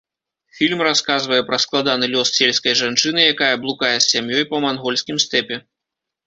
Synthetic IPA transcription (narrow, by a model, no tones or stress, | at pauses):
fʲilʲmraskazvɐjɛpɾɐsklˠad̪anɨlʲɔssʲelʲskɐjʐant͡ʂɨnɨjakajɐblˠukajɛsʲsʲamjɔjpɐmanɣɔlʲsʲkʲimst̪ɛpʲɛ